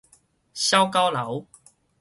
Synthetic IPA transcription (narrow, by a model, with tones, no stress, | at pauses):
ɕjɐ˥wka˥wlɐ̰˨˥w